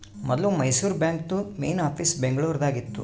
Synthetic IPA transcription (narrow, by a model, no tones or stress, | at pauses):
mɔd̪lumɐjsuːɾbjaːŋkt̪ume̞̰jnaːpʰiːsbeŋɡɐɭuːɾɐd̪aːɡit̪ːṵ